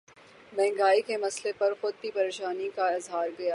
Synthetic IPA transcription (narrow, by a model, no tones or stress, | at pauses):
mɛ̃ːŋɡaːikemɐslepɐɾxʊd̪̚kipɐɾeːʃaːnikaɪzɦaːɾɡɐjaː